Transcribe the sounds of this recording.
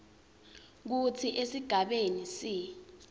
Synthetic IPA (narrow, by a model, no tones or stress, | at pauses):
k̬ut͡sʰiʔesiɡ̥ʱaɓenisiː